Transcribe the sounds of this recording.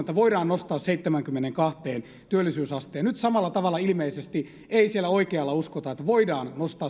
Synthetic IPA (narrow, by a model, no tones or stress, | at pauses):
et̪ːæʋoidɑːnnost̪ɑːsseit̪ːemæŋkymːeneŋkɑht̪eːn | t̪yølːˑisyːsɑst̪eːɑnyt̪sɑmɑlːˑɑt̪ɑʋɑlːˑɑilmeisest̪i | eisielːˑæoikeɑlːɑuskot̪ɑet̪ːæʋoidɑːnnost̪ɑː